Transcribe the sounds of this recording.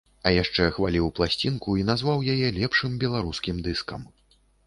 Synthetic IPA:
ɐjaʂt͡ʂɛxvalʲiwplˠasʲt͡sʲinkuinazvawjajɛlʲɛpʂɨmbʲɛlˠaɾuskʲimd̪ɨskɐm

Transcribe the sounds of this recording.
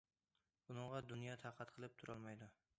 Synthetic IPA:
bʊnɨɴʁɑd̪ʊnjɒt̪ʰɑqʰɑt̪qʰɨlˠɪp̚t̪ʰʊɾʔɒlˠmajd̪ʊ

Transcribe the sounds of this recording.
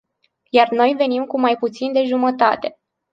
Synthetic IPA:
jarno̞jve̞nimkumajput̪sind̪e̞ʒumət̪at̪e̞

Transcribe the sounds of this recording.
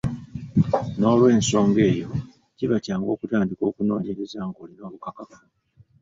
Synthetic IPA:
no̞ːlwe̞ːnso̞ːŋɡe̞ːjo̞ | ciβacaːŋɡo̞ːkutaːndiko̞ːkuno̞ːɲeɾezaːŋɡoːlino̞ːβukakaku̥

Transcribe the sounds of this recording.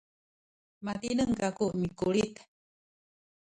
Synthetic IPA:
mat̪inəŋkakuʔmikulit̪

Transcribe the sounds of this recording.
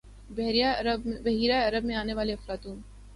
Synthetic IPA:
bɛɦɾijabbɐɦiːɾaɐɾəbmẽaːneʋaːleɐfɾaːt̪uːn

